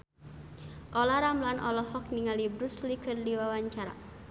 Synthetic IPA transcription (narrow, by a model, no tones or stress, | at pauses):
ʔɔlaɾamlanʔɔlɔhɔk̚niŋalibɾuslikərdiwawaɲt͡ʃaɾa̰